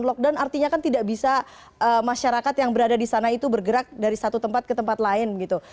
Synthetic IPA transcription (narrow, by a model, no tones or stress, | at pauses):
nlɔk̚dawnart̪iɲakant̪idaʔbisa | əmaʃaɾakat̪jaŋbəɾadadisanait̪ubərɡəɾak̚daɾisat̪ut̪əmpat̪̚kət̪əmpat̪laɪnbəɡit̪u